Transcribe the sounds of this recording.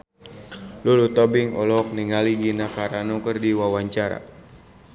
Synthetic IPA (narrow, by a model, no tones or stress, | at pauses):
lulut̪ɔbɪŋɔlɔɔk̚niŋaliɡinakaɾanukərdiwawaɲt͡ʃaɾa̰